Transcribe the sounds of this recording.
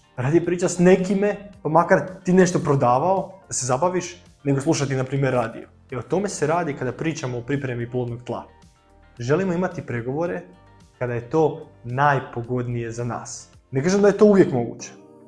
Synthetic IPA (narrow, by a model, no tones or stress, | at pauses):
ɾaːd̪ijopɾiːt͡ʃasne̞kimepamakaɾt̪iːne̞ʃt̪o̞pɾo̞d̪aːʋaod̪̥asezabaʋiʃ | neɡoslˠuʃat̪inapɾiːmje̞ɾːaːd̪ḭjo | eot̪o̞me̞seɾaːd̪ikad̪apɾiːt͡ʃamoːpɾipɾe̞miplˠod̪noɡt̪lˠa̰ | ʒe̞limo̞imat̪ipɾeɡo̞ʋo̞ɾe̞ | kad̪aje̞t̪o̞ːnaːjpo̞ɡo̞d̪nije̞zana̰ːs | nekaːʒemd̪aje̞t̪o̞uʋje̞kmo̞ɡṵːt͡ɕe̥